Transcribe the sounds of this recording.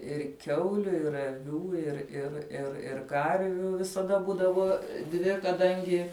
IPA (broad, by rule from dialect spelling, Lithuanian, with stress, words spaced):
ɪr ˈkʲɛʊlʲʊ ɪr ɐˈʋʲuː ɪr ɪr ɪr ɪr ˈkɐrʲʋʲuː ʋʲɪsɐˈdɐ ˈbuːdɐʋoː ˈdʲʋʲɪ kɐˈdɐŋʲɡʲɪ